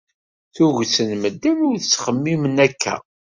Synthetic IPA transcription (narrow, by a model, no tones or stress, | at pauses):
θuʝsənməd̪ːənʊɾθət͡sːχəmːimənækʰːæ̰